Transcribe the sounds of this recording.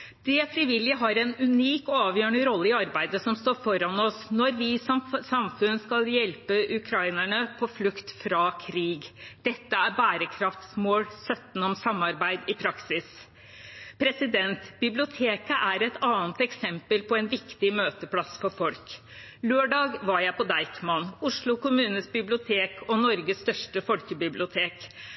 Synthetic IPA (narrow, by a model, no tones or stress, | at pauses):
d̪̥ɛfɾɪʋɪlːjəɦɑɾɛnʉniːkɔɑːʋjøːɳəɾɔlːəɪɑɾbæɪd̪əsɔmst̪oːɾfɔɾɑnɔsnɔɾʋɪsɔmsɑmfʉnskɑljɛlpəʔʉkʰɾɑɪnæɳəpʰɔflʉkt̪fɾɑkʰɾiːɡd̪̥ɛt̪ːəæɾbæːɾəkʰɾɑft̪smoːlsœt̪ːnɔmsɑmːɑɾbæɪd̪ɪpʰɾɑksɪs | pʰɾɛsɪd̪ɛnt̪bɪblɪʊt̪ʰeːkəʔæɾɛt̪ɑːnt̪ɛksɛmpəlpʰɔɛnʋɪkt̪ɪmøːt̪əpʰɽɑsfɔɾfɔlk | løːɖɑːɡʋɑɾjæɪpɔd̪ɑɪkmɑnʊʂɭʊkʊmʉːnəsbɪblɪʊt̪ʰeːkʰɔnɔɾɡəsst̪œʂʈəfɔlkəbɪblɪʊt̪ʰeːk